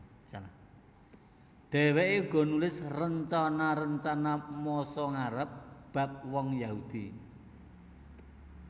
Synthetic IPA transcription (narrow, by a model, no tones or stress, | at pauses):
a | d̪̥ɛ̤weʔeuɡ̥ɔ̤nulɪsrəɲt͡ʃɔnaɾəɲt͡ʃanamɔsɔŋaɾəp̚b̥a̤p̚wɔŋjaɦud̪̥i